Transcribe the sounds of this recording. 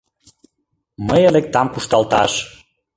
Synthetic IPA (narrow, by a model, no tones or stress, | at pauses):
məjelek̚t̪ɑmkuʃt̪ɑlt̪ɑ̰ʃ